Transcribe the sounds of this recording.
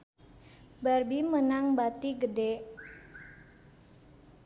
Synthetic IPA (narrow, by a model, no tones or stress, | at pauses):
barbimənaŋbat̪iɡəde